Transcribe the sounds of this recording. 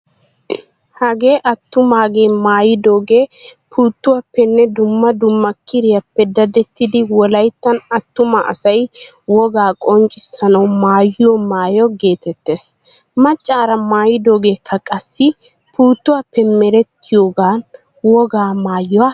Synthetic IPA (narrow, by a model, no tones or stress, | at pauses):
hɐɡeːʔɐt̪ːʊmaːɡe̞ːmaːjɪd̪o̞ːɡeːpʰuːt̪ːʊwapːɛnːɛd̪ʊmːɐd̪ʊmːɐkːɪɾɪjɐpːɛd̪ɐd̪ɛt̪ːɪd̪ɪwɔlɐjt̪ːɐnɐt̪ːʊmɐʔɐ̰sɐjwɔɡaːkʼɔnt͡ʃʼːɪsɐnɐwmaːjjɔmaːjɔɡe̞ːt̪ɛt̪ːe̞ːs | mɐt͡ʃʼːaːɾɐmaːjɪd̪o̞ːɡe̞ːkʰːɐkʼɐsːɪ | puːt̪ːʊwapːɛmɛɾɛt̪ːɪjoːɡaːn | wɔɡaːmaːjɔwaː